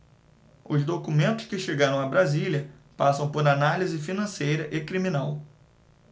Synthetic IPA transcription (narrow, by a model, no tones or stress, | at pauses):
ʊzd̪okumẽnt̪ʊ̥skɪʃeɡaɾɐ̃w̃abɾaziliɐ | pasɐ̃w̃poɾanalizɪfinɐ̃sejɾɐʔɪkɾimĩnaw